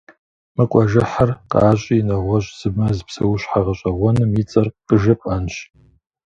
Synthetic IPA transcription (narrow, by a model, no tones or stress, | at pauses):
mɨkʷʼɐʒɪħarqʼa̰ːɕʼiːnɐʁʷɔɕʼz̥ɨbmɐzpsɐ̰wɕħaʁɐɕʼɐʁʷɔnɨmjit͡sʼɐrqʼəʒɐpʼɐnɕ